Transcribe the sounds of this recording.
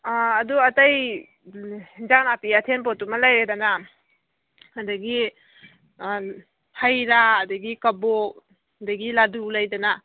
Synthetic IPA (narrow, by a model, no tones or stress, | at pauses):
duɐtaj | d͡ʒaknapiatʰenp̬otumɐlajɾedana | handaɡi | hajɾaːdaɡikabo | daɡiladulajdana